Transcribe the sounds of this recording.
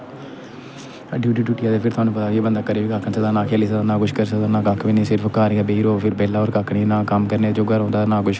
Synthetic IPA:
ɖuːʈiːʈuːʈiaːd̪eːpʰɪɾt̪ʊaːnũːpət̪aːeːbənd̪aːkəɾeːʋiːkaːkʰənsəd̪aːnãːkʰeːliːsəd̪aːnãːkʊʃkəɾs̬əd̪aːnãːkakʰːʋiːnisɪɾpʰkaːɾijaːbeːɾoːpʰɪɾbɛːlaːɔːɾkaːkʰɽinãːkəmkəɾneːd͡ʒoːɡəɾõːnd̪aːt̪anãːkʊʃ

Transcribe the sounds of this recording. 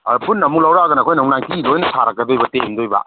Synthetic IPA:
punːɐmuklawɾaɡɐnɐkʰojnɐwŋnaŋkilojnɐsʰaɾɐk̚kːɐdojbɐteŋdojba̰

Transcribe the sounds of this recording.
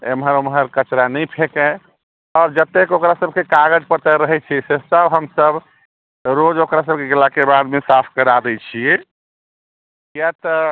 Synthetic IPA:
emɦəɾomɦəɾkət͡ʃɾanɛjpʰekɛ̃ | ɔːɾd͡ʒət̪ːekokɾasəb̚kekaɡəd͡ʒpət̪əɾəɦɛt͡ʃʰisesəbɦəmsəb | ɾod͡ʒokɾas̬əb̚keɡəlakebad̪mesapʰkəɾad̪ɛt͡ʃʰi | kjat̪ɔ

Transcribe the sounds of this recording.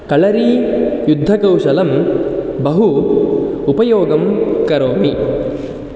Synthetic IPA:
kɐɭɐɾijud̪ʱːɐkɐwʃɐlɐmbɐɦu | upɐjoːɡɐmkɐɾoːmi

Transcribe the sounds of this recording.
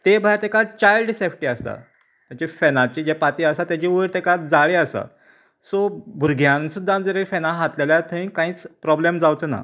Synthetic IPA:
t̪ebʱajɾt̪ekat͡ɕajlɖsefʈiːəst̪a̰ | t̪jat͡ɕifenãt͡ɕid͡ʑepat̪iəsat̪jat͡ɕiʋəɾt̪ekat̪d͡zaɭeəsa̰ | sobʱuɾɡʱjãnsud̪ʱːãnd͡zəɾefenãɦat̪leljat̪ʰəĩkãiːt͡spɾɔblemd͡zawt͡səna̰

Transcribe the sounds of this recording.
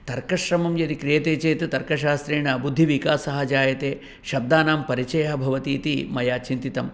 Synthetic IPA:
t̪ɐɾkɐʃɾɐmɐmjɐt̪ikɾijɐt̪eːt͡ʃeːt̪et̪ɐɾkɐʃaːst̪ɾeːɳɐbud̪ʱːiʋikaːsɐɦɐd͡ʒaːjɐt̪eː | ʃɐb̚d̪aːnaːmpɐɾit͡ʃɐjɐɦɐbʱɐʋɐt̪iːt̪imɐjaːt͡ʃint̪it̪ɐm

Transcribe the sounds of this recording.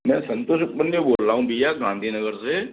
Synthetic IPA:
mɛ̃ːsə̃nt̪oʃkpənjoboːlaːũːbʱiaːɡãːnd̪ʱiːnəɡəɾse

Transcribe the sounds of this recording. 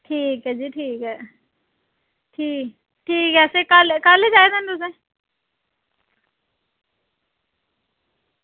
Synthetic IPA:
ʈʰiːkɦɛːd͡ʒiːʈʰiːkɦɛː | ʈʰiːk | ʈʰiːkɛːsekaːlkaːled͡ʒaːed̪ənd̪ʊsẽ

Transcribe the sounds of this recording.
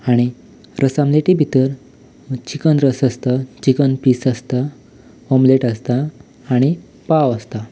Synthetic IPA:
aɽ̃i | ɾʔəsãmleʈibʱit̪əɾ | t͡ɕikənɾəsəst̪ət͡ɕikənpisəst̪a | omleʈəst̪aː | ɽ̃i | paʋəst̪a

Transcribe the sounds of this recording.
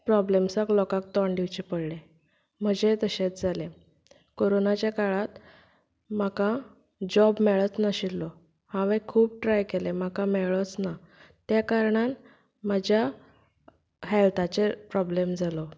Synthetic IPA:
pɾɔblemsaklɔkak̚t̪ɔ̃ɳɖiwt͡ɕepəɽle | m̤əd͡ʑet̪əɕẽt̪d͡zʱalẽ | koɾonat͡ɕjakaɭat̪ | makã | d͡ʑɔbmɛɭət͡snaɕilːɔ | hãʋəkʰuːp̚ʈɾajkelem̤akãmɛɭɔt͡sna | t̪jakaɾɳan | məd͡ʑja | ɦɛlt̪ʰat͡ɕepɾɔblemd͡zʱalɔ

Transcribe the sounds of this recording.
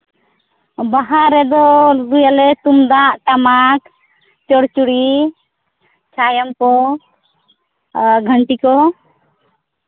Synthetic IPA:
baɦaɾɛd̪ɔd̪ujalɛt̪umd̪aʔʈamak | t͡ʃɔɽt͡ʃuɽi | t͡ʃʰajɔmkɔ | ɡʱəɳʈikɔ

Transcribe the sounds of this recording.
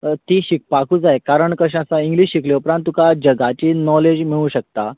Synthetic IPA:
t̪iːɕik̚pakuːd͡zajkaɾəɳkəɕəsaiŋɡliɕɕikleupɾãnt̪ːukad͡ʑəɡat͡ɕiːnɔled͡ʑmiɭũːɕək̚t̪a

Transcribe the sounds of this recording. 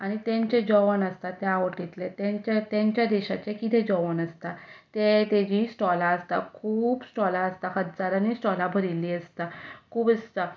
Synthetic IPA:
aɽ̃it̪ẽɲt͡ɕed͡ʑɔʋənəst̪at̪jaʋəʈit̪let̪ẽt͡ɕet̪ãɲt͡ɕjad̪eɕa̰t͡ɕekit̪ʰed͡ʑɔʋənəst̪at̪et̪ed͡ʑisʈɔlaəst̪a̰kʰuːbsʈɔlaəst̪ahət̪d͡zaɾanisʈɔlabʱəɾilːiːəst̪akʰuːpəst̪a

